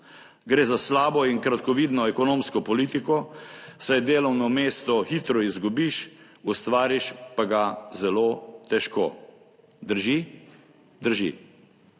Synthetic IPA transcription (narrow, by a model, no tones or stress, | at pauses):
ɡɾeːzaslaːbɔinkɾat̪kɔʋiːd̪nɔɛkɔnoːmskɔpɔliːt̪ikɔsajd̪eːlɔwnɔmeːst̪ɔxit̪ɾɔizɡubiʃ | ust̪ʋaːɾiʃpaɡazɛloːt̪ɛʃkoː | d̪əɾʒi | d̪əɾʒḭ